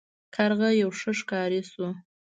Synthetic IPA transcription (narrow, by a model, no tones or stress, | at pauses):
kʰaɾɣajawʂəʂkɑɾisu